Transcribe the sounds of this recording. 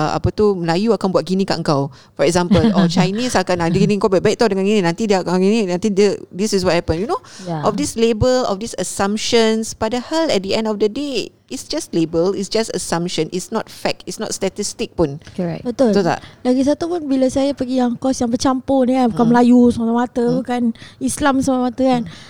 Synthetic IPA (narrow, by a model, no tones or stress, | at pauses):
ʔa̰pət̪uməlajuakanbuat̪̚ɡinika̰ʔəŋkaw | fɔɹɛkzãmpəlɔt͡ʃajnisakanadəɡinĩəŋkawbaʔ̚bajkt̪adəŋãnɡinĩnãnt̪idiəakaɡininãnt̪idədisis̬wɔt̚hɛpə̃njunoaʔɔfdislebəlɔ̰fdisəsãmpʃə̃nsb̥adəhɛlɛt̚diɛ̃ndɔfdəde | itsd͡ʒastlebəlisd͡ʒastə̰sãmpʃə̃nʔisnɔt̚fɛk̚itsnɔ̰t̚stat̪istik̚punɛbət̪olsosa̰daɡis̬at̪upunbilasajapəɡijaŋkɔsjãŋbət͡ʃampʊnabkamlajusəmat̪amat̪əbukanislamsamamat̪əkan